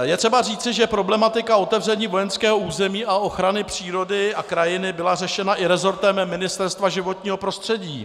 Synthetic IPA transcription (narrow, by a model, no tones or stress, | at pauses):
jɛt̪r̥ɛbariːtt͡sɪʒɛpɾo̞blɛmat̪ɪkao̞t̪ɛvrɛɲiːvo̞jɛnskɛːɦo̞uːzɛmiːaʔo̞xɾanɪpr̥iːɾo̞dɪakɾajɪnɪbɪlarɛʃɛnaʔɪɾɛzo̞ɾt̪ɛmːɪnɪst̪ɛɾst̪vaʒɪvo̞t̪ɲiːɦo̞pɾo̞st̪r̥ɛɟiː